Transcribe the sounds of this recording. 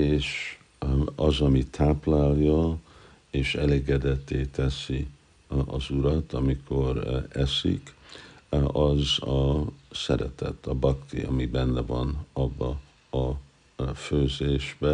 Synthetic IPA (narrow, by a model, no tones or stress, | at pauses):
eːʃ | ɒzɒmit̪ʰaːplaːljɒ | eːʃɛ̰leːɡɛd̪ɛt̪ːeːt̪ɛsi | ɒzuɾɒt̪ɒmikʰo̞ɾɛsḭk | ɒzɒsɛɾɛt̪ɛ̰t̪ʰːɒbɒkt̪ḭɒ̰mibɛnːɛvɒnɒbːɒ | ɒ | føːzeːʒbɛ